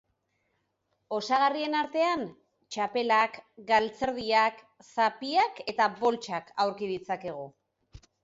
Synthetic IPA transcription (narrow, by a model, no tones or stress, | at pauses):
o̞saɣarie̞naɾt̪e̞an | t͡ʃape̞lakɡalt͡se̞ɾð̞iak | sapiake̞t̪aβo̞lt͡ʃakʰawɾkið̞it͡sake̞ɣ̞o